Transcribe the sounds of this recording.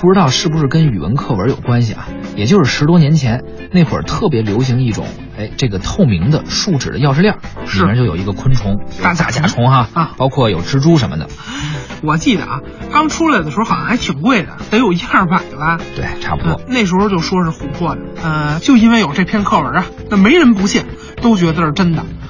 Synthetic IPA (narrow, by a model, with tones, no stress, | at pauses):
pu˥˩ʈ͡ʂɻ̩˥t̪ɑ˥˧ʊʂɻ̩˥˩bu˧ʂɻ̩˥˩kə˥ny˨˩wə̰˧˥nkʰɤ˥˩wə˞˧˥jo˨˩ʊkwa˥nɕ̬ḭ˨ɐ̰˩jɛ˨˩t͡ɕjo˥˧ʊʂɻ̩˥˩ʂɻ̩˧˥t̪wɔ˥njɛ˧˥nt͡ɕʰjɛ˧˥n | ne˥˩ɪkwə̰˨˩t̪ʰɤ˥˩p̬jɛ˧˥ljo˧˥ʊɕ̬i˧˥ŋi˥˩ʈ͡ʂʊ̰˨˩˦ŋ | e˥ɪʈ͡ʂɤ˥˩ɡə˩t̪ʰo˥˩ʊmi˧˥ŋd̪ə˧ʂu˥˩ʈ͡ʂɻ̩˨˩d̪ə˦jɑ˥˧ʊʂ̬ɻ̩˥˧ljɑ˥˩i˨˩˥ɛ˧˥t͡ɕjo˥˩jo˨˩i˧˥ɡə˧kʰwə˥nʈ͡ʂʰʊ˧˥ŋa˥˩t͡sa˧˩t͡ɕja̰˨˩ʈ͡ʂʰʊ˧˥ŋxa˥˧˥pɑ˥ʊkʰwɔ˥˩jo˨˩ʊʈ͡ʂɻ̩˥ʈ͡ʂu˥ʂ̬ə˧˥mə˧˩d̪ə̰˩ | wɔ˨˩t͡ɕi˥˩d̪ə̰˩ʔa̰˧˩ | k̪ɑ˥ŋʈ͡ʂʰu˥la˨˩ɪd̪ə˩ʂɻ̩˧˥xjɑ˥˩xa˧˥ɪt̪ʰi˨˩ŋkwe˥˩ɪd̪ə̰˩t̪ə˧˥njo˨˩ʊi˧˥xa˥˧pa˧˩d̪ba˧t̪we˥˩ɪʈ͡ʂʰa̰˥pu˧˩˧ɔ̰˥˩ne˥˩ɪʂ̬ɻ̩˧˥xo˥˧t͡ɕjo˥˩ʊʂwɔ˥ʂɻ̩˥˩xu˧˥pʰwɔ˥˩d̪ə˩ə˧t͡ɕjo˥˧ʊi˥nwe˥ɪjo˨˩ʊʈ͡ʂɤ˥˧pʰjɛ˥˧nkʰɤ˥˩wə˞˧˥ɐ˧na˥˩me˧˥ɪɻə˧˥npu˧˥ɕjɛ˥˩n | t̪o˥ʊt͡ɕɥɛ˧˥d̪ə˧˥˧ʈ͡ʂə˥nd̪ə˨